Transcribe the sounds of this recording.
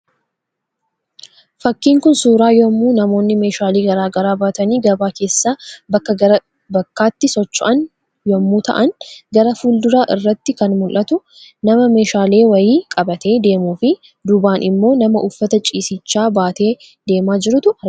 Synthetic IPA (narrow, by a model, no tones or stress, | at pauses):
fɐkːiːŋkʊnsuːɾaːjɔmːuːnɐmo̞ːnːɪme̞ːʃaːliːɡɐɾaːɡɐɾaːbaːt̪ɐniːɡɐbaːke̞ːsːaːbɐkːɐɐɾ | bɐkːaːt̪ːɪsɔt͡ʃːʊʔɐn | jɔmːuːt̪ɐ̰ʔɐnɡɐɾɐfuːld̪ʊɾaːʔɪrːɐt̪ːɪkɐnmʊlʔɐt̪ʊ | nɐmɐme̞ːʃaːle̞ːwɐjiːkʼɐbɐt̪ʰe̞ːd̪e̞ːmuːfɪ | d̪ʊbaːnʔɪmːo̞ːnɐmɐʔʊfːɐt̪ɐt͡ʃʼiːsɪt͡ʃːaːbaːt̪e̞ː | d̪̥e̞ːmaːd͡ʒɪɾʊt̪ʊɐ